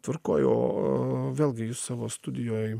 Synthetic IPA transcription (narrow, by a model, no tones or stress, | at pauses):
t̪ʋɐɾkoːjo̰ːʋʲeːlʲˠɡʲɪjʊssɑːʋoːst̪ʊd̪ʲɪjoːj